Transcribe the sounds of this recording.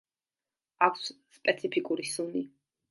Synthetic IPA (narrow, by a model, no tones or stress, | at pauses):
akʷʰsspʼɛt̪sʰipʰikʼuɾisuni